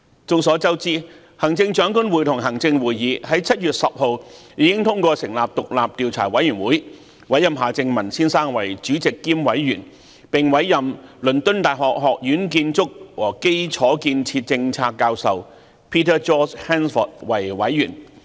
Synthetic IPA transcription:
t͡sʊ˧ŋsɔː˨˥t͡sɐ˥wt͡siː˥ | hɐ˨˩ŋt͡sɪ˧ŋt͡ʃœː˨˥ŋkʊ˥nwuː˨˩jt̪ʰʊ˨˩ŋɦɐ˨˩ŋt͡sɪ˧ŋwuː˨jːiː˨˧hɐ˨˥jt͡sʰɐ˥t̚jyː˨t̚sɐ˨p̚ho˨wjiː˨˧kɪ˥ŋt̪ʰʊ˥ŋkʷɔː˧sɪ˨˩ŋlaː˨p̚t̪ʊ˨k̚laː˨p̚t̪iː˨˧wt͡sʰa̰ː˨˩wɐ˨˥jyː˨˩nwuː˨˥j | wɐ˨˥jɐ˨mɦaː˨t͡sɪ˧ŋmɐ˨˩nsiː˥nsaː˥ŋwɐ˨˩jt͡ʃyː˨˥t͡sɪ˨kːiː˥mwɐ˨˥jːyː˨˩n | pɪ˨ŋwɐ˨˥jːɐ˨mlɵ˨˩nt̪ɵ˥nt̪aː˨˩jɦɔː˨k̚ɦɔː˨k̚jyː˨˥nk̬iː˧nt͡sʊ˥k̚wɔː˨˩ke˥jt͡sʰɔː˨˥kiː˧nt͡sʰiː˧t̚t͡sɪ˧ŋt͡sʰaː˧kːaː˧wsɐ˨w | pʰiː˥t̪ʰəː˥t͡ʃɔː˥t͡ʃhɛː˥nfɔ̰˨˩t̚wɐ˨˩jwɐ˨˥jːyː˨˩n

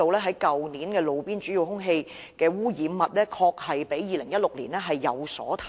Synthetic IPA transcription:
o˨wlɛː˥ɦɐ˨˥jkɐ˨wniː˨˥nkɛː˧lo˨˧wpiː˥nt͡ʃyː˨˥ji˨whʊ˥ŋɦe˧j | kɛː˧wuː˥jiː˨˥mmːɐ˨t̚lɛː˥kʰɔː˧k̚hɐ˨jpe˨˥jjiː˨lɪ˨˩ŋjɐ˥t̚lʊ˨k̚liː˨˩nlɛː˥ɦɐ˨jːɐ̰˨˧wsɔ̰ː˨˥t̪ʰː

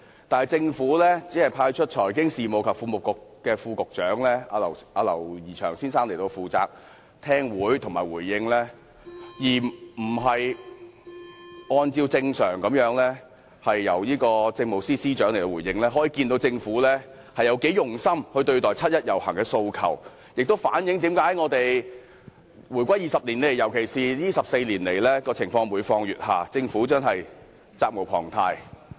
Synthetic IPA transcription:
t̪aː˨nɐ˨jt͡sɪ˧ŋfuː˨˥lɛː˥t͡siː˨˥hɐ˨jpʰaː˧jt͡ʃʰɵ˥t̚t͡ʃʰɔː˨˩jkɪ˥ŋsiː˨˩mo˨˧wkʰɐ˨p̚fuː˧mʊ˨˩kʊ˨kːkɛː˧fuː˧kʊ˨k̚t͡ʃœː˨˥ŋlɛː˥aː˧lɐ˨˩waː˨˧lɐ̰˨˩wjiː˨˩t͡ʃʰœː˨˩ŋsiː˥nsaː˥ŋle˨˩jt̪o˧wfuː˨t͡sa̰ː˧k̚ | t̪ʰɛː˥ŋwuː˨˥jt̪ʰʊ˨˩ŋmaː˨˩jwuː˨˩jːɪ˧ŋlɛː˥ | jiː˨˩m̩˨˩ɦɐ˨j | ŋɔː˧nt͡siː˧wt͡sɪ˧ŋsœː˨˩ŋkɐ˨˥mjœː˨˥ŋlɛː˥ | hɐ˨jːɐ̰˨˩wjiː˥kɔː˧t͡sɪ˧ŋmo˨wsiː˥siː˥t͡ʃœː˨˥ŋle˨˩t̪o˧wuː˨˩jɪ˧ŋlɛː˥ɦɔː˨˥ji˨˩kiː˧nt̪o˧wt͡sɪ˧ŋfuː˨˥lɛː˥ | hɐ˨jɐ˨˧wke˨˥jʊ˨ŋsɐ˥mhɵ˧ɥt̪ɵ˧ɥt̪ɔː˨˩jt͡sʰɐ˥t̚jɐ˥t̚jɐ˨˩whɐ̰˨˩ŋkɛː˧so˧wkʰɐ̰˨˩w | jɪ˨k̚t̪o˥wfaː˨˥njɪ˨˥ŋt̪̬iː˨˥mkaː˨˥jŋɔː˨˧t̪e˨j | wuː˨˩jkʷɐ˥jiː˨˩sɐ˨p̚liː˨˩nle˨˩jjɐ˨˩wkʰe˨˩jsiː˨jiː˥sɐ˨p̚se˧jliː˨˩nle˨˩jlɛː˥kɔː˧t͡sʰɪ˨˩ŋfɔː˧ŋwuː˨˧jfɔː˧ŋjyː˨t̚ha̰ː˨t͡sɪ˧ŋfuː˨˥t͡ʃœː˥ŋɦɐ˨j | t͡saː˧k̚mo˨˩pʰɔ̰ː˨˩ŋt̪ʰaː˧j

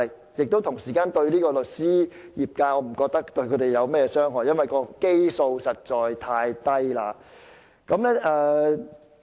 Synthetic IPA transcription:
jɪ˨k̚t̪o˥wt̪ʰʊ˨˩ŋsiː˨˩kaː˧nt̪ɵ˧ɥliː˥kɔː˧lɵ˨t̚siː˥jiː˨p̚kaː˧ɔː˨˧m̩˨˩kɔː˧k̚t̪ɐ˥kt̪ɵ˧ɥkʰɵ˨˧t̪e˨jɐ˨˧wmɛː˥jɛ˧sœː˥ŋɦɔː˨˩jɐ˥nwɐ˨˩jkɔː˧ke˥jso˧wsɐ˨t̚t͡sɔː˨˩jt̪ʰaː˧jt̪ɐ˥jlaː˧ | kɐ˨˥mlɛː˥ʔɛː˧

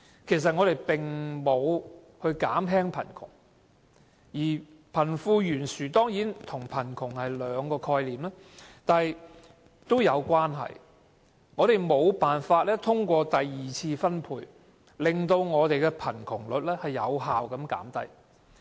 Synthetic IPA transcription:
kʰe˨˩js̬ɐ˨t̚ŋɔː˨˧ɾe˨jpɪ˨˩ŋmo˨˧w | hɵ˧ɥkaː˨˥mɦɛː˥ŋpʰɐ̰˨˩nkʰʊ̰˨˩ŋ | jiː˨˩ | pʰɐ˨˩nfuː˧jyː˨˩nsyː˨˩t̪ɔː˥ŋjiː˨˥nt̪ʰʊ˨˩ŋpʰɐ˨˩nkʰʊ˨˩ŋhɐ˨jlœː˨˧ŋkɔː˧kʰɔː˧jliː˨mlɛː˥ | t̪aː˨j | t̪o˥wjɐ˨˧wkʷaː˥nɦɐ̰˨j | ŋɔː˨˧ɾe˨jmo˨˧wpaː˨˩nfaː˧t̚lɛː˥t̪ʰʊ˥ŋkʷɔː˧t̪ɐ˨jːiː˨t͡sʰiː˧fɐ˥npʰuː˧j | lɪ˨ŋt̪o˧wŋɔː˨˧t̪e˨jkɛ˧pʰɐ˨˩nkʰʊ˨˩ŋlɵ˨t̚lɛː˥hɐ˨jːɐ̰˨˧wɦaː˨wkɐ˨˥mka̰ː˨˥mt̪ɐ˥j

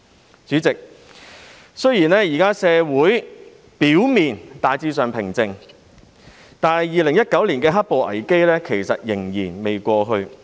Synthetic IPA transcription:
t͡syː˨˥t͡sɪ˨k̚ | sɵ˥ɥjiː˨˩nɛː˥jiː˨˩kaː˥sɛː˧wuː˨˥j | piː˨˥wmiː˨nt̪aː˨jt͡siː˧sœː˨ŋpʰɪ˨˩ŋt͡sɪ˨ŋ | t̪aː˨˧nhɐ˨jiː˨lɪ˨˩ŋjɐ˥t̚kɐ˨˥wliː˨˩nkɛː˧ɦɐ˥t̚po˨wʔɐ̰˨˩jke˥jlɛː˥kʰe˨˩jsɐ˨t̚jɪ˨˩ŋjiː˨˩nme˨jkʷɔː˧ɦɵ˧ɥ

